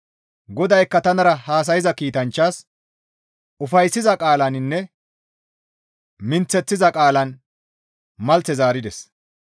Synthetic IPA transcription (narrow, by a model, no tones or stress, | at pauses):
ɡɔd̪ɐjkːɐt̪ɐnɐɾɐhaːs̬ɐjɪzɐkiːt̪ɐnt͡ʃːaːs | ʊfɐjsːɪzɐkʼaːlɐnɪnːɛ | mɪnt͡sːɛt͡sːɪzɐkʼaːlɐn | mɐlt͡sɛzaːɾɪd̪ɛs